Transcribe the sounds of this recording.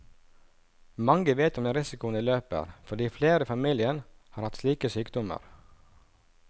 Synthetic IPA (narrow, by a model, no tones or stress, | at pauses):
mɑŋɡəʋeːt̪ɔmd̪ɛɾɪsɪkʊːəniːløːpə̰ɾfɔɖiːfleːɾəfɑmiːlɪənhɑːɾhɑt̪sliːkəsyːkd̪ɔmə̰ɾ